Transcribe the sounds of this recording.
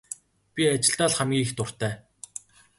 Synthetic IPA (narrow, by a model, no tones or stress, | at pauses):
pʲiat͡ɕɪ̆ɬt̪aːɮχamɡʲiːxt̪ʊr̥t̪æː